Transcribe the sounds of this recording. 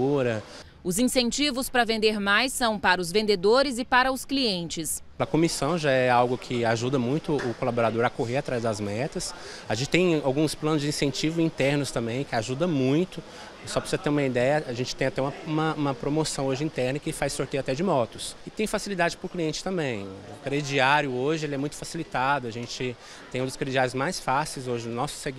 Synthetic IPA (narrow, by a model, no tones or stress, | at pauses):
uɾɐ | ʊzĩsẽnt͡ʃivʊspɾɐvẽnd̪eɾmajsɐ̃w̃paɾɐʊzvẽnd̪ed̪oɾɪzɪpaɾɐʊskliẽnt͡ʃɪspɾɐkomisɐ̃w̃ʒaɛawɡʊkʰɪaʒud̪ɐmũj̃t̪ʊʊkolaboɾad̪oɾɐkoɦeɾat̪ɾajzd̪ɐzmɛt̪ɐs | aʒẽt͡ʃɪ̥t̪ẽj̃awɡũsplɐ̃nʊzd͡ʒɪĩsẽt͡ʃivʊĩnt̪ɛɾnʊst̪ɐ̃mbẽj̃kɪaʒud̪ɐmũj̃t̪ʊ | sɔpɾsizɐt̪eɾũmɐid̪ɛjɐaʒẽnt͡ʃɪt̪ẽj̃at̪ɛũmɐũmɐũmɐpɾomosɐ̃w̃oʒɪĩnt̪ɛɾnɐkɪfajsoɾt̪ejat̪ɛd͡ʒɪmɔt̪ʊsɪt̪ẽj̃fasilid̪ad͡ʒɪpɾʊkliẽnt͡ʃɪ̥t̪ɐ̃mbẽj̃ʊkɾed͡ʒiaɾjʊoʒɪelɪɛmũj̃t̪ʊ̥fasilit̪ad̪ʊɐʒẽnt͡ʃɪ | t̪ẽj̃ũd̪ʊskɾed͡ʒiaɾjʊzmajsfasejzoʒɪnɔsʊ̥seɡ